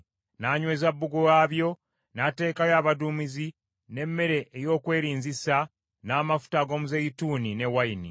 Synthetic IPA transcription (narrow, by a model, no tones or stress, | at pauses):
naːɲwe̞ːzabːuɡuɣaːβjo̞ | nate̞ːkajaːβadumizi | ne̞mːe̞ɾe̞ʔejo̞ːkwe̞ːɾiːnzisa | naːmafu̥taɡo̞ːmuzejituːnine̞wajini